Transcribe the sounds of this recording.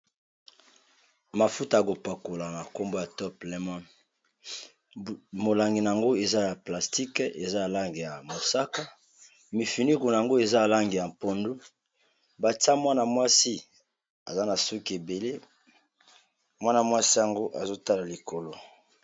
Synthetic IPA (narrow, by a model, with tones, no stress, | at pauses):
ma˨fu˦ta˨a˨ko˨pa˨ko˨la˨na˨ko˦mbo˦ja˨tɔ˦plɛ˦mɔ˦n | mo˨la˨ŋɡi˨na˨a˨ŋɡo˦e˨za˦ja˨pla˨sti˦ke˨za˦a˨la˦ŋɡi˨ja˨mo˨sa˦ka˦ | mi˨fi˨ni˦ku˨n˨a˨ŋɡo˦e˨za˦˨la˦ŋɡi˨ja˨m˨po˨ndu˦ | ba˨ta˦mwa˦na˨mwa˦si˦ | a˨za˦na˨su˦ki˨e˨be˨le˦ | mwa˦na˨mwa˦si˦ja˨ŋɡo˦ʔa˨zo˦ta˦la˨li˨ko˨lo˨